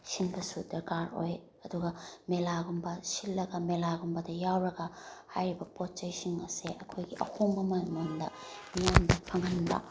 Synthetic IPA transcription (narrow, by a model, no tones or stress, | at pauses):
sinbɐsudɐɾkaɾo̰j | ɐduɡɐmelaɡumbɐsilːɐɡɐmelaɡumbɐdɐjawɾɐɡɐhajɾibɐpot̚t͡ʃɐjsiŋɐseɐkʰojɡiʔɐ̰hʰomːɐmajmondɐ̰mijamdɐpʰɐŋɐnbɐ̰